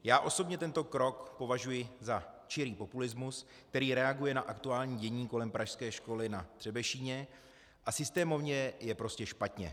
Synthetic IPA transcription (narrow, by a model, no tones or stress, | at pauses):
jaːʔo̞so̞bɲɛt̪ɛnt̪o̞kɾo̞kpo̞vaʒujɪzat͡ʃɪɾiːpo̞pulɪzmus | k̚t̪ɛɾiːɾɛaɡujɛnaʔakt̪uaːlɲiːɟɛɲiːko̞lɛmpɾaʃskɛːʃko̞lɪnad̪̥r̥ɛbɛʃiːɲɛ | ʔasɪst̪ɛːmo̞vɲɛjɛpɾo̞scɛʃpat̪ɲɛ̰